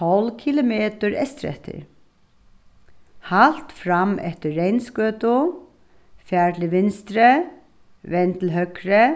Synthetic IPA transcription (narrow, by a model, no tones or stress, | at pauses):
ɔlkʰilʊmeːt̪ʊɹɛ̰st̪ɾɛ̰ht̪ʰɪ̰ɹ | hal̥t̪fɾamɛft̪ɪːejnskœːt̪ʊ | fjæːɹlɪʋɪnst̪ɾə | ʋɛnt̪lɦœkɾə